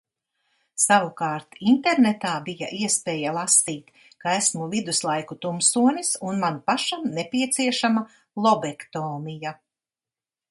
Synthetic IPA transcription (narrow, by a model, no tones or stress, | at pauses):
sawukɑːɾt̪int̪eɾnet̪aːbija̰ʔiɛspeːjalˠasiːt̪ | kaæsmulid̪uslˠajkut̪umsuɔnʲisunmanpaʃamnepiɛt̪siɛʃama | lˠɔbɛkt̪oːnija